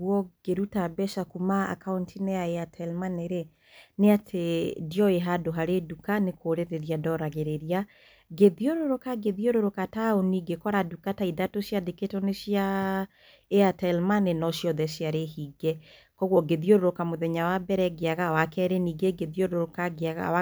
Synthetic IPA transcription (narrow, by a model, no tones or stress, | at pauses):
ɣwɔɡ̥eɾutabɛʃakumaa̰kauntineaeatʰɛlmaneɾe | neatʰediɔeɦadoɦaɾedukanekʰoːɾeɾeɾiadɔɾaɣeɾeɾia | ɡeðioɾoɾokaɡeðioɾoɾokataoniɡekɔɾadukataidatoʃjadeketɔneʃja | eatɛlmanenɔʃjɔðɛʃjaɾehiɡɛ | kɔɣwɔɡeðioɾoɾokamoðɛɲawabɛɾɛɡeaɣawakɛɾeniɡeɡeðioɾoɾokaɡeaɣa̰wa